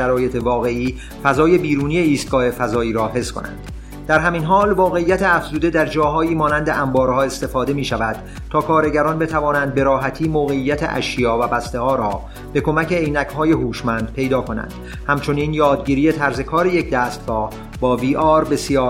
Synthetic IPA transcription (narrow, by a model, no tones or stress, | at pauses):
ʃæɾɒːje̞t̪ʰe̞vɒːɣe̞iː | fæzɒːje̞biːɾuːnije̞iːst̪̚ɡɒːhe̞fæzɒːiːɾɒːɦe̞skʰo̞̰næ̰nd̪̥ | d̪æɾɦæminɦɒːlvɒːɣe̞ijːæt̪ʰeæfz̥uːd̪e̞d̪æɾd͡ʒɒːɦɒːiːmɒːnænd̪e̞ʔæmbɒːɾhɒːe̞st̪e̞fɒːd̪e̞miːʃævæd̪̥ | t̪ʰɒːkʰɒːɾe̞ɟæɾɒnbe̞t̪ʰævɒːnænd̪̚be̞ɾɒːɦæt̪ʰiːmoːɣe̞ijːæt̪ʰḛʔæ̰ʃjɒːvæbæst̪e̞hɒːɾɒː | b̥e̞kʰo̞mæceejnækhɒːje̞huːʃmænd̪̥̚pʰe̞jd̪ɒːkʰo̞næ̰nd̪̥ | hæmt͡ʃʰo̞niːnjɒːd̪ɟiːɾiːje̞t̪ʰæɾze̞kʰɒːɾeje̞cʰd̪æːst̪̚ɡɒːh | bɒːviːʔɒːɾbe̞sijɒː